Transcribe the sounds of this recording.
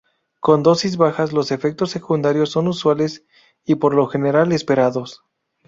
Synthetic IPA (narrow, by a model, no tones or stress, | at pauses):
ko̞nd̪o̞sizβaxazlo̞se̞fe̞k̚t̪o̞sːe̞kund̪aɾjo̞sːo̞nuswale̞s | ipo̞ɾlo̞xe̞ne̞ɾale̞spe̞ɾaðo̞s